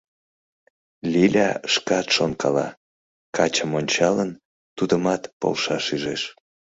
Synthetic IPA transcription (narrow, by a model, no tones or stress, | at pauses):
lʲilʲɑʃkɑt̪ʃonkɑlɑ̰ | kɑt͡ɕəmonʲt͡ɕɑlən | t̪ud̪əmɑt̪po̰lʃɑʃyʒeʃ